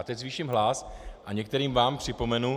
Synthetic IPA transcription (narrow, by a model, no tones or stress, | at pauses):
t̪ɛczviːʃimɦlasʔaɲɛkt̪ɛɾiːmvaːmpr̥ɪpo̞mɛnu